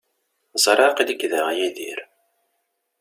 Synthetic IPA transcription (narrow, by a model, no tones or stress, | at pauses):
zˤɾˤɑqiləɡðəʁjæðḭɾ